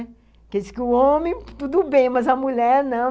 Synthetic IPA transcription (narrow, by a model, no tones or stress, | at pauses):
kɪisɪ̥kɪʊõmẽj̃t̪ud̪ʊbẽj̃mɐzɐmuʎɛɾnɐ̃